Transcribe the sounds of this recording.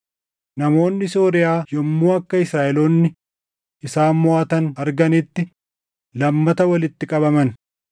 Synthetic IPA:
nɐmo̞ːnːɪso̞ːɾɪjaːjɔmːuːɐkːɐɪsɾaːʔɛloːnːɪ | ʔɪsaːmmʊaːt̪ɐnɐɾɡɐnɪt̪ːɪ | lɐmːɐt̪ɐwɐlɪt̪ːɪkʼɐbɐmɐn

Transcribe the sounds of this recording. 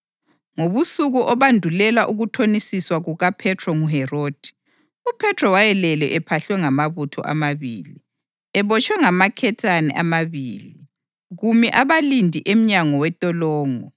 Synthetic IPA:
ŋoβusuɣuʔɔβandʱulɛlwaʔuɣutʰonisiswaɣuɣapʰɛtʰrɔŋuɦɛroːd̥ʱi̥ | upʰɛtʰrɔwajɛlɛlɛʔɛpʰaɬwɛŋamaβutʰɔ̰ʔa̰maβḭːli | ɛβɔt͡ʃʰʼwɛŋamakʰɛtʰanɛ̰ʔamaβiːli | ɣumjɛʔaβalindʱiʔem̩ɲaŋɔwɛtʼɔlɔːŋɔ

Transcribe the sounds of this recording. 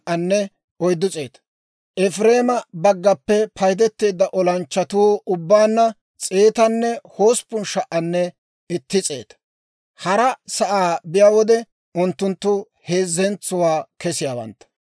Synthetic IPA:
ʔɐnːɛ | ɔjd̪ːʊt͡sʼe̞ːt̪ɐ̥ | ʔɛfɾe̞ːmɐbɐɡːɐpːɛpʰɐjd̪ɛt̪ːe̞ːd̪ːɐʔɔlɐnt͡ʃːɐt̪uːʊbːaːnːɐ | t͡sʼeːt̪ɐnːɛho̞ːspʊnʃɐʔɐnːɛ | ɪt̪ːɪt͡sʼḛːt̪ɐ̥ | hɐɾɐsɐʔaːbɪjaːwɔd̪ɛ | ʊnt̪ːʊnt̪ːʊ | he̞ːzːɛnt͡sːʊwaːkɛsɪjaːwɐ̰nt̪ːɐ̥

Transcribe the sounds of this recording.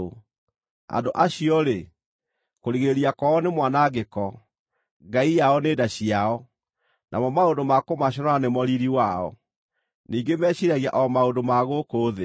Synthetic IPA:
a̰ndoʔaɕiɔɾe | koɾiɣeɾiakɔɔnemwanaɣekɔ | ɡaijaɔneːdaɕiaɔ | nʔa̰mɔmaondomakomaɕ̬ɔnɔanemɔɾiɾiwaɔ̰ | niːŋɡemɛːɕiɾaɣia̰ʔɔmaondomaɣokoːðe

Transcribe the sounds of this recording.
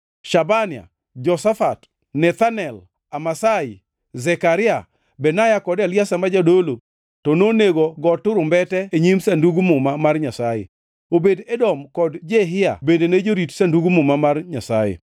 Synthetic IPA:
ʃabanɪa̰ | d͡ʒɔsafat | nɛt̪anɛl | amasaɪ | zɛkaɾɪa | bɛnajakɔdaljasamad͡ʒadolo | tɔnoneɡoɡɔtːʊɾʊmbɛtɛeɲimsanduɡumʊmamarɲasajḛ | obedɛdɔmkɔdd͡ʒeɦɪja̰bendened͡ʒoɾitsanduɡumʊmamarɲasajḛ

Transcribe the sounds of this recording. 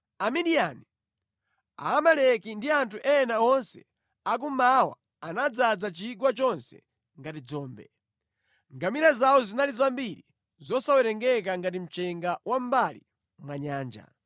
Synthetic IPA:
amidiani | a̰ːmalɛkindiantʰuʔɛɛnaɔnsɛ̰ | ak̬umawa̰ | anad͡zad͡zat͡ʃikwat͡ʃɔnsɛ̰ | ŋɡatid͡zɔːmbɛ | ŋɡamiɾazawɔzinalizambiɾi | zɔsawɛɾɛŋɡɛk̬aŋɡat̬im̩t͡ʃɛŋɡawʔam̩bali | mwaɲaːnd͡ʒa̰

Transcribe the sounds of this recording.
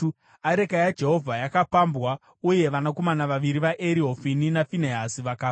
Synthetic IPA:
aɾe̞kajad͡ʒe̞ɦo̞vʱajakapambwa | uje̞ʋanako̞manaʋaʋiɾiʋaʔeɾiɦofininafineɦasiʋakaː

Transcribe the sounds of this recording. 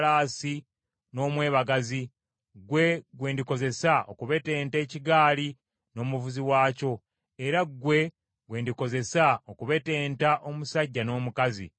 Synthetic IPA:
laːsi | no̞ːmwe̞ːβaɡazi | ɡwe̞ɡwe̞ːndiko̞ze̞saʔokuβe̞te̞ːnte̞ːciɡaːli | no̞ːmuvuziwaːco̞ | eɾaɡwe̞ | ɡwe̞ːndiko̞ze̞saokuβe̞te̞ːntaʔo̞musaɟːano̞ːmukazḭ

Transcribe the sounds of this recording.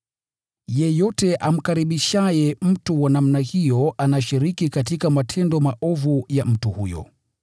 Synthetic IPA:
jɛjɔtɛʔam̩kaɾiɓiʃajɛm̩tuwanam̩nahijɔanaʃiɾikikatikamatʰɛndɔmaʔɔvujam̩tuhujɔ̰

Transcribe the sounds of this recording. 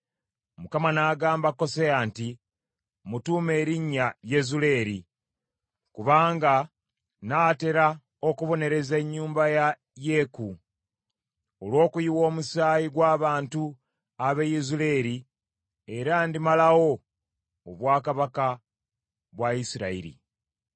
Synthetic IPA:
mukamanaːɡaːmbako̞seaːnti | mutuːme̞ːɾiɲːajezule̞ːɾi | kuβaːŋɡa | naːte̞ɾa | o̞kuβo̞ne̞ɾe̞zeɲːuːmbaja | jeku | olwo̞ːkujiwo̞ːmusaːjiɡwaːβaːntu | aβejezule̞ːɾi | e̞ɾandimalawo̞ | oβwaːkaβaka | βwaisiɾaḭɾḭ

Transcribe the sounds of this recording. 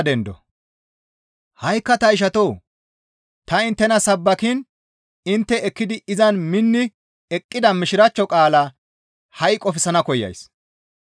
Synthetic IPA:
d̪ɛnd̪ɔ̰ | hɐjkːɐt̪ɐɪʃ̬ɐt̪oː | t̪ɐɪnt̪ːɛnɐsɐbːɐkɪn | ɪnt̪ːɛɛkːɪd̪ɪɪzɐnmɪnːɪ | ɛkʼːɪd̪ɐmɪʃɪɾɐt͡ʃːɔkʼaːlɐ | hɐjkʼːɔfɪsɐnɐkɔjːɐ̰js

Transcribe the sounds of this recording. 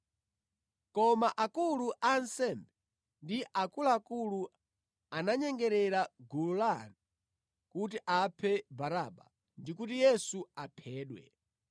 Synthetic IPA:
kɔmaʔakuluʔansɛmbɛ | ndiʔakulaːkulu | anaɲɛŋɡɛɾɛɾaɡululanu | kut̬iʔapʰɛbaɾaɓa̰ | ndikutijɛsuapʰɛːɗwɛ̰

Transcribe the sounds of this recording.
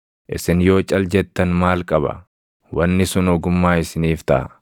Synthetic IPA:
ʔɪ̰sɪnjo̞ːt͡ʃʼɐld͡ʒɛt̪ːɐnmaːlkʼɐbɐ̰ | wɐnːɪsʊnɔɡʊmːaːɪsɪniːft̪ɐʔɐ̰

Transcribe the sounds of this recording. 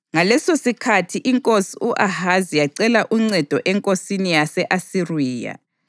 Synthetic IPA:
ŋalɛsosikʰatʰiʔiŋkʼosiuʔahazijaǀɛlaʔuŋ͡ǀɛd̥ʱɔʔɛŋkʼosinijasɛʔasiriːja̰

